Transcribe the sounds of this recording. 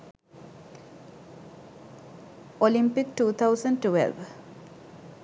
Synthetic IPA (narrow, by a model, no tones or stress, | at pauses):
ɔlɪmpɪkʈuːt̪ʰaʊsə̃nʈuwɛ̰lʋ